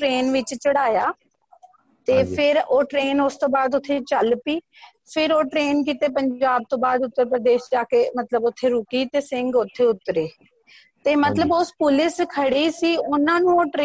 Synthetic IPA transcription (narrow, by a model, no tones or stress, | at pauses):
ɾeːnʋɪt͡ʃt͡ʃəɽaːjaː | t̪eːpʰɪɾoːʈɾeːnʊst̪õːbaːd̪ʊt̪ʰːet͡ʃəlpiː | pʰɪɾoːʈɾeːnk̬iːt̪eːpəɲd͡ʒaːb̚t̪õːbaːd̪ʊt̪ːəɾpɾəd̪eːʃd͡ʒaːkeːmət̪ləbʊt̪ʰːeːɾʊkiːt̪eːsɪ̃ŋɡʊt̪ʰːeːʊt̪ːɾeː | t̪eːmət̪ləbʊspʊlɪskʰəɽiːsiːʊnãːnũːoːʈɾe